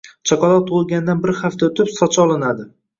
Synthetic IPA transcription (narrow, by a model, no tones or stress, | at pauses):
t͡ʃʰɒkɒlˠɒtt̪ʰːolˠɡʲand̪anbɪɾhaft̪ʰaot̪ʰɪpsɒt͡ʃʰɒlˠɪnad̪ɪ